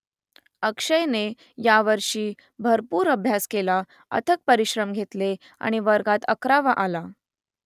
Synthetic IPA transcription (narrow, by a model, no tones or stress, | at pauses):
əkʂəjne | jaʋəɾʂiː | bʱəɾpuːɾəbʱjaskela | ə̰t̪ʰək̚pəɾiɕɾəmɡʱet̪le | a̰ɽ̃iʋəɾɡat̪əkɾaʋaʔala